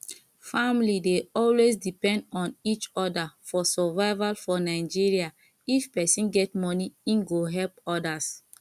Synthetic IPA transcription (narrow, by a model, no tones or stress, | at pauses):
famlideɔlwesdipɛ̃ndɔ̃nit͡ʃɔdafɔsɔvaɪvalfɔnaɪd͡ʒiɹia | ifpɛsĩnɡɛtmɔniĩnɡoɦɛlpɔdas